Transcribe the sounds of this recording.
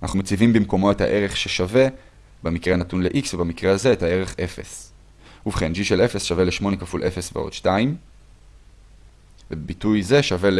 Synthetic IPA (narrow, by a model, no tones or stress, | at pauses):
ana̰χnumet͡sivimbimko̞mo̞e̞tha̰ʔe̞ʁe̞χʃeʃave̞ | bemikʁeanatunleʔiksvebamikʁeaze̞ethae̞ʁe̞χʔe̞fe̞̰s | uvχend͡ʒiʃele̞fesʃave̞leʃmo̞nekafulʔe̞fesvḛo̞̰d̥ʃtaim | vebitujze̞ʃave̞l